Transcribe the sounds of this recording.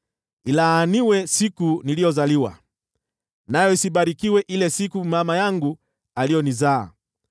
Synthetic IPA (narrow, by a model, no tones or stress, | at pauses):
ilaniwɛsikunilijɔzaliwa̰ | najɔisiɓaɾikiwɛʔilɛsikumamajaŋɡu | alijɔniza̰ː